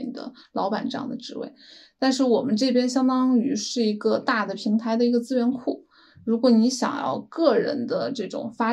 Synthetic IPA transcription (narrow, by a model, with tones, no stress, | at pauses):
d̪ə̰˦lɑ˧˥ʊpa˨˩nʈ͡ʂɤ˥˧jɑ̰˥˩ŋd̪ə˩ʈ͡ʂɻ̩˧˥wḛ˥˩ɪt̪a˥˧nʂɻ̩˥˩wɔ˨˩mə˦nʈ͡ʂɤ˥˩pjɛ˥nɕjɑ˥ŋt̪ɑ˥ŋy˧˥ʂɻ̩˥˩i˧˥ɡə˧t̪a˥˩d̪ə˩pʰi˧˥ŋt̪ʰa˧˥ɪd̪ə˧i˧˥ɡə˧t͡sɹ̩˥ɥɛ˧˥nkʰu˥˩ | ɻu˧˥kwɔ˧˥ni˧˥ɕjɑ̰˨˩ŋjɑ̰˥˧ʊkɤ˥˩ɻə̰˧˥nd̪ə˧ʈ͡ʂɤ˥˩ʈ͡ʂʊ̰˨˩ŋfa˥